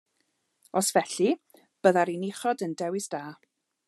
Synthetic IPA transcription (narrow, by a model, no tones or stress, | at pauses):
ɔsvɛɬi | b̥əðaɾinɪχɔdəndɛwɪsd̥aː